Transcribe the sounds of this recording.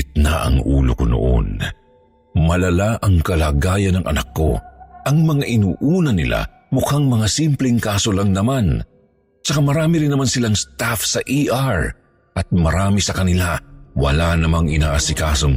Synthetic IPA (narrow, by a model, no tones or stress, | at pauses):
ɪt̪̚naʔɐ̰ŋʔṵːlo̰kono̰ʔo̰n | mɐlɐlaʔɐŋkɐlaːɡaːjɐnɐŋʔɐ̰nɐkːo̞̰ʔɐŋmɐŋaʔɪnuːʔuːnɐnɪlʔa̰ | mʊkaŋmɐŋasimplɪŋkaːso̞lɐŋnɐman | t͡ʃɐkamɐɾaːmiɾɪnːɐmansɪlaŋst̪afsɐʔiʔaɹ | ʔɐt̪̚mɐɾaːmisɐkɐnɪlawɐ̰lanɐmaŋɪnaːʔɐsɪkaːsoŋ